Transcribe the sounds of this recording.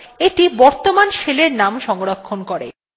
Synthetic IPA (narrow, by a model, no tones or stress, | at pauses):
eʈibɔɾt̪omanʃeleɾnamʃɔŋoɾokʰːonkoɾḛ